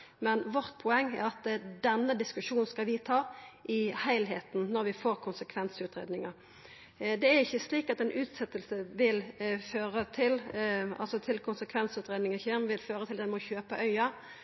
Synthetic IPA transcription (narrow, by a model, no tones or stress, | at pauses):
mɛnʋɔʁt̪̚pʰʊɛŋːæ̰ʁɑt̪d̪ɛnːəd̪ɪskʉʂuːn̩skɑlʋɪt̪ʰɑːʔɪhæɪlɦeːt̪n̩nɔʁʋɪfoːʁkʰʊnsəkʰʋɛnsʉːt̪ʁeːd̪nɪŋəʁ | d̪ɛæʁɪçːəsliːkɑt̪ɛːnʔʉːt̪sɛt̪ːəlsəʋɪlføːʁət̪ʰɪlɑ̰lsɔt̪ʰɪlkʰʊnsəkʰʋɛnsʉːt̪ʁeːd̪nɪŋəçɛːmʋɪlføːʁət̪ʰɪld̪ɛnmɔçøːpəʔœʏɑ